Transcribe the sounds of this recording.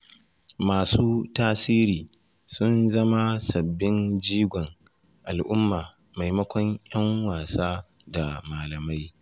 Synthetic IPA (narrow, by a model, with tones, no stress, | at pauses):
maː˨suː˦taː˦siː˦ɾiː˨ | sʊ˦nzɐ˦ma˦sɐ˨bːɪ˦nd͡ʒiː˦ɡʷɔ˨ŋ | ʔa˨lʔʊ˦mːaː˨ | ma˨jmɐ˦kʷɔ˦ɲj̰ɐ˦ŋwaː˨saː˦ | da˨maː˨lɐ˨ma˦j